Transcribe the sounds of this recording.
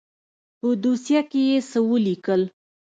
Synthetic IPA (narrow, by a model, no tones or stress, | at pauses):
pəd̪usjakejesəwəlikəl